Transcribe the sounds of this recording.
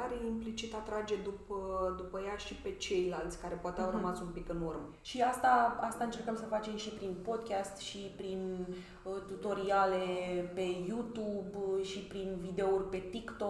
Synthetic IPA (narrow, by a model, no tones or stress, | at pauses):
aɾimplit͡ʃit̪at̪ɾad͡ʒe̞d̪upəd̪upəjaʃipe̞t͡ʃe̞jlalt̪sʲkaɾe̞poat̪eawrəmatsumpikɨnurməʃiast̪aast̪aɨnt͡ʃe̞rkəmsəfat͡ʃe̞mʃipɾinpo̞d̪kʲast̪ʃipɾin | t̪ut̪o̞ɾiale̞pe̞jut̪ubʃipɾinvid̪eourʲpe̞t̪ikt̪o̞